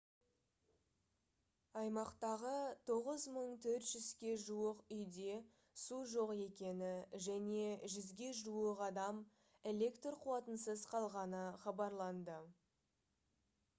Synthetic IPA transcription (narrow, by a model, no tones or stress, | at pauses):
ɑjmɑqt̪ɑʁət̪ʰo̞ʁəzməɴt̪ʰɵɾt̪ʒ̥ʏzkʲe̞ʒuəqʏjd̪e̞ | suʒo̞qe̞kʲe̞nɪʒæne̞ʒʏzɡʲe̞ʒuəqɑd̪ɑm | e̞le̞kt̪rqʰuwɑt̪ənsəzqʰɑlˠʁɑnəχɑbɑɾlˠɑnd̪ə